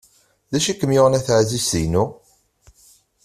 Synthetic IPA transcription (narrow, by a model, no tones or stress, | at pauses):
ðæʃikːəmjʊʁənæθʕzisinu